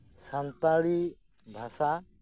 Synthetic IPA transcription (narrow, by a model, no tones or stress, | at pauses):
sənt̪aɽi | bʱasa